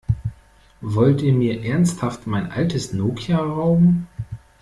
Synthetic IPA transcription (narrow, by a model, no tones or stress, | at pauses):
vɔltʔiːɐmiːɐʔɛɐnsthaftmaɪnʔa̰ltəsnoːkʰiaʁaʊm̩